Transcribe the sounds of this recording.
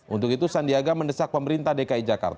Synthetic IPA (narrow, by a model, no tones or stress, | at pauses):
ʔṵnt̪ʊkit̪usandiaɡamənəsak̚pəməɾint̪ahdekaid͡ʒaka̰rt̪a